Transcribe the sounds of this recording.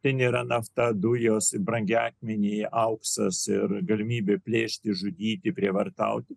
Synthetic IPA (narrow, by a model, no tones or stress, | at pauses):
t̪ʲɛniːɾɐnɐft̪ɐd̪ʊjoːsɪbɾɐŋʲɡʲɑːkʲmʲɛnʲeːʔɐʊksɐsɪɾɡɐlʲɪmʲiːbʲeːpʲlʲeːʃʲt̪ʲɪʒʊd̪ʲiːt̪ʲɪpʲɾʲiɛʋɐrt̪ɐ̰ʊt̪ʲɪ